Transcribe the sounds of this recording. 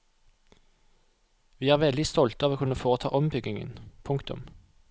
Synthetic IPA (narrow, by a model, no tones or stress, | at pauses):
ʋiːæːʁʋɛld̪ɪst̪ɔlt̪ɑːʋoːkʰʉnəfoːʁət̪ʰɑ̰ːʔɔmbʏɡɪŋə̰npʰʊŋkt̪ʊ̰m